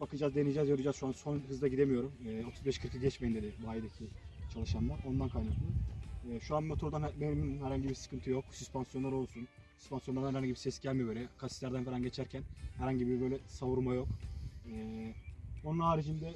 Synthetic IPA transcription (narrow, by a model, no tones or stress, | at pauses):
bakɯd͡ʒaːzd̪enid͡ʒɛːzjoɾɯd͡ʒaːz̥ʃuansonɦɯzd̪aɟid̪emijo̞ɾumɛːo̞t̪ʰuzbɛʃkʰɯɾkʰɯɡɟɛt͡ʃmeind̪ed̪ɛbuajd̪ecʰit͡ʃʰalˠɯʃamlaɾo̞nd̪ankʰajnaklˠɯɛːʃuanmot̪ʰuɾd̪anbeɾmininhæɾhaɲɟibiɾsɯ̥kʰɯnt̪ʰɯjo̞ksyspʰansjoaɾo̞lˠsun | sy̥spansijoaɾnæɾhanɲɟibiɾsɛsɟælʲmibøːlʲɛkʰast̪lʲæɾd̪ænfɛɾanɟe̞t͡ʃʰæɾcʰænhæɾhaɲɟibiɾbø̞jlʲɛsavuɾmajo̞kɛː | o̞nunhaːɾid͡ʒind̪ɛ